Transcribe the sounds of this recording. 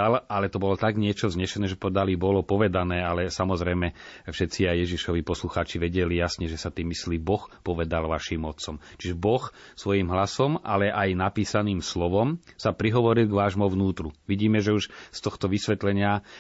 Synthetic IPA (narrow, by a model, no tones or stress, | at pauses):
alalɛt̪ɔbɔlɔt̪aɡɲɪɛt͡ʃɔzɲɛʃɛnɛːʒɛpɔɛd̪alibɔlɔpɔʋɛd̪anɛːalɛsamɔzɾɛjmɛfʃɛt͡siajjɛʒiʃɔʋipɔsluxaːt͡ʃiʋɛɟɛlijasɲɛʒɛsat̪iːmːislibɔxpɔʋɛd̪alʋaʃiːmɔt̪t͡sɔmt͡ʃiʒɛbɔxsʋɔjimɦlasɔmʔalɛʔajnapiːsaniːmslɔʋɔmsapɾiɦɔʋɔɾilɡʋaːʒmɔʋnuːt̪ɾuʋiɟiːmɛʒɛuʃst̪ɔxt̪ɔʋisʋɛt̪lɛɲɪa